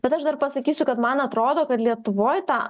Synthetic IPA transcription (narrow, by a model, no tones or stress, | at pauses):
b̥ʲɛt̪ɐʃd̪ɐrpɐsɐkʲiːsʲʊkɐt̪mɐnɐt̪ɾoːd̪oːkɐt̪lʲiɛt̪ʊʋoːjt̪ɑː